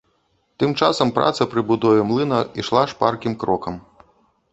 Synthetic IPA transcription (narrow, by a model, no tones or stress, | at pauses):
t̪ɨmt͡ʂasɐmpɾʔa̰t̪sɐpɾɨbud̪ɔvʲɛmlˠɨnɐiʂlˠaʂparkʲimkɾɔkɐm